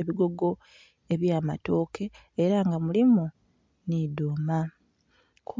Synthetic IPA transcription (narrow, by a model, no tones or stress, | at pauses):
eβiɡo̞ɡo̞ | eβjaːmato̞ːkʰe̞ː | ɾaŋɡamulimu | nidoːma | kʰ